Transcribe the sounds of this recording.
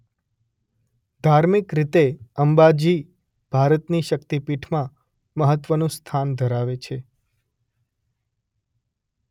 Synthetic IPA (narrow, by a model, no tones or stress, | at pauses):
d̪ʱaɾmikɾit̪eəmbad͡ʒi | b̥ʱaɾət̪niʃəkt̪ipiʈʰmã | məɦət̪ʋənũst̪ʰand̪ʱəɾaʋet͡ʃʰe